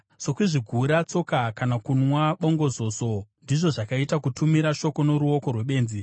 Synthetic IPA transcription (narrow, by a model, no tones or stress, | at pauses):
so̞kwiʐiɡʱuɾat͡so̞kakanakunwaɓo̞ŋɡo̞zo̞so̞ndiʐo̞ʐakaitakutumiɾaʃo̞ko̞no̞ɾuo̞ko̞rwe̞ɓe̞ːnzi